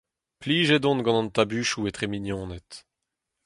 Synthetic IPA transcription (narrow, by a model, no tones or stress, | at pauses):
pliːʒed̪ɔ̃nɡɑ̃nɑ̃nt̪abyːʃuet̪ʁeminjɔ̃ːnɛt̪